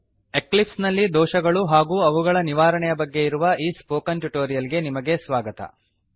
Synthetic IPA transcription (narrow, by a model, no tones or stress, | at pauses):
e̞klipsnɐlːid̪ɔːʃɐɡɐɭuɦaːɡuːɐʋuɡɐɭɐniʋaːɾɐɳɛjɐbɐɡːe̞iɾuʋɐʔiːspoːkɐnʈuʈoːɾijɐlɡe̞nimɐɡe̞sʋaːɡɐt̪ɐ̰